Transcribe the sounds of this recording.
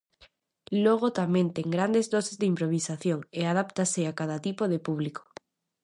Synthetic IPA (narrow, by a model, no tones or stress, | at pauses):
loɣ̞ot̪amẽnt̪eŋɡɾand̪ezðosezðeimpɾoβ̞isaθjoŋeað̞apt̪aseakaðat̪ipoð̞epuβliko̥